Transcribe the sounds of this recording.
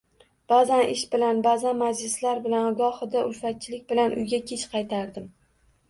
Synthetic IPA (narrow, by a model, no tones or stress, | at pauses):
b̥azanɪʃbɪlanbazanmad͡ʒlɪslaɾbɪlanɒɡɒhɨd̪aʔʊlfat̪̚t͡ʃʰɪlɪk̚ʲbɪlanʔʊ̰jɡʲakʲʰet͡ʃqʰɑjt̪ʰaɾd̪ɪm